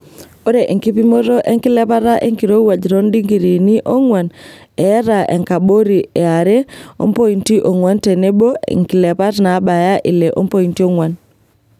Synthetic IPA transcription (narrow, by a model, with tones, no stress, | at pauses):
o˦ɾe˨ʔi˨ŋki˦pi˦mo˦ɾo˦ʔe˦ŋki˦lɛ˦pa˦ɾa˦ʔḛ˦ŋki˨ɾo˦wa˨d͡ʒɾo˦ndi˦ŋɡi˨ɾi˨ni˦ʔo˦ŋwa˨n | e˨˦ɾa˨ʔḛ˨ŋka˨ɓo˦ɾi˨e˨a˨ɾe˦o̰˦mpo˦i˨nti˦ʔo˨ŋwa˦nte˨ne˦bo˦ḛ˨ŋki˨le˨pa˦ɾna˨˦ɓa˨ja˦ʔi˨le˨ʔo̰˦mpo˦˨i˨nti˦o˦ŋwa˨n